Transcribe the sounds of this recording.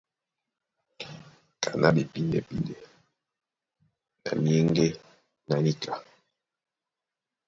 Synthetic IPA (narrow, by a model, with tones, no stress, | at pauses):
kʰa˨nʔa˦be˨pi˦nde˨pi˦nde˨ | na̰˨mi˦e˦ŋɡe˦ | na˨ni˦kʰa˨